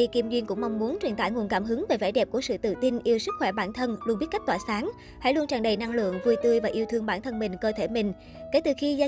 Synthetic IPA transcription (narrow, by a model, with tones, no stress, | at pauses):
i˧˩ki˧əmzwḭ˧ənkʊ̰˧˥ŋ͡mma˧wŋ͡mmu˨˦ənt͡ɕwi˨˩nt̪aː˧˩jŋu˨˩ənkaː˧˩mɦɨ˨˦ŋve˨˩vaː˧˩jɗɛ˨˩p̚ku˧˩əsɨ̰˧˨t̪ɨ̰˧˨t̪i˧nʔi˧əwsɨ˦˥k̚xwɛ˧˩ɓaː˧˩nt̪ʰə˧nlu˧nɓi˦˥t̚kk̚twaː˧˩saː˨˦ŋ | ha̰˧˥jlu˧ənt͡ɕaː˨˩ŋɗə˨˩jna˧ŋlɨ̰˧˨əŋvu˧jt̪ɨ˧jvaː˨˩ʔi˧əwt̪ʰɨ˧əŋɓaː˧˩nt̪ʰə˧nmï˨˩ŋ̟kəː˧t̪ʰe˧˩mï˨˩ŋ̟ | ke˧˩t̪ɨ˨˩xi˧zaː˧